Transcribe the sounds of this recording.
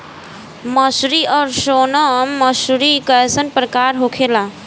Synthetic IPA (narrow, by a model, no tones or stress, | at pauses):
məsɾiʌɾsonəmːəsɾikəesənpɾəkaɾɦokʰela